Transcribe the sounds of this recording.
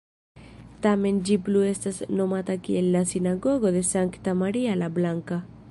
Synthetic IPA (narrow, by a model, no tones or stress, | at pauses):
t̪amẽnd͡ʒipluest̪asnomat̪akielːasinaɣoɣoðesaŋkt̪amaɾialaβlaŋka